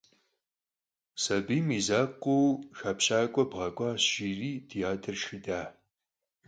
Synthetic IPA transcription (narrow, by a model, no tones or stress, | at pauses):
sɐbiːmiːzaːqʷuwxaːpɕaːkʷʼɔbʁɐkʷʼɑːɕʒiːriːtʰijaːtʰɨrʃɨdaː